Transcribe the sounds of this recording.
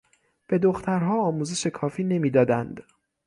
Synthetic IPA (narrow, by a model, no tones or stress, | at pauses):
b̥e̞d̪oxt̪ʰæɾɦɒːɒːmuːzeʃe̞kʰɒːfiːne̞miːd̪ɒːd̪ænd̪